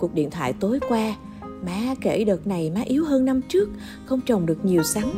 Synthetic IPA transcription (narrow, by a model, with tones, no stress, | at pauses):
ku˨˩k̚ɗḭ˧˨ənt̪ʰa̰ː˧˨jt̪o˨˦jkwaː˧ | maː˨˦ke˧˩ɗəː˨˩t̚na˨˩jmaː˨˦ʔi˨˦əwɦəː˧nːa˧mt͡ɕɨ˦˥ək̚ | xə˧wŋ͡mt͡ɕə˨˩wŋ͡mɗɨ˨˩ək̚ɲi˨˩əwsa˨˦ŋ